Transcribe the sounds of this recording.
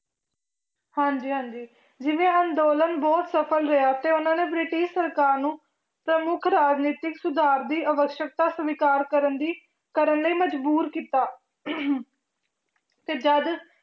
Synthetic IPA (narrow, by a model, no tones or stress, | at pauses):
hãːɲd͡ʒiːɦãːɲd͡ʒiː | d͡ʒɪʋẽːãːnd̪oːlənbɔːt̪səpʰəlɾəjaːt̪eːʊnãːneːbɾɪʈɪʃsəɾkaːɾnũː | pɾəmʊkʰɾaːd͡ʒniːt̪ɪksʊd̪ʱaːɾd̪iːʔəʋəkʃjək̚t̪aːsəʋɪkaːɾkəɾənd̪iː | kəɾənləiːməd͡ʒbuːɾkiːt̪aː | t̪eːd͡ʒəd̪